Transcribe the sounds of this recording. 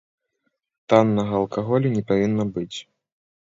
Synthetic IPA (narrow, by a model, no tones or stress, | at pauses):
t̪anːɐɣɐːlˠkaɣɔlʲunʲɛpavʲinːɐbɨt͡sʲ